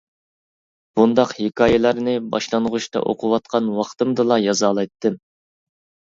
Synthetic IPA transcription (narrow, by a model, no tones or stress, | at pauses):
b̥und̪ɑqhikʰɑːjɛlˠæɾnɨbɑ̰ʃlˠɑnʁuʃt̪ɑ̰ʔo̰qʰʊwɑt̪̚qʰɑnwɑχt̪ɨmd̪ɨlˠɑjɑzɑːlˠɑjt̪ʰːɨm